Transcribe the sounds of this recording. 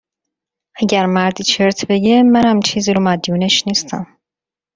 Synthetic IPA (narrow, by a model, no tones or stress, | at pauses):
ʔæɟæɾmæɾd̪iːt͡ʃʰeɾt̪ʰbe̞ɟemænhæmt͡ʃʰiːziːɾomæd̪juːneʃniːst̪ʰæm